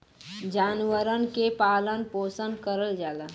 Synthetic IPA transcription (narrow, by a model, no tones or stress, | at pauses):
d͡ʒaːnwəɾənkepaːlənpoːsənd̪kəɾəld͡ʒaːla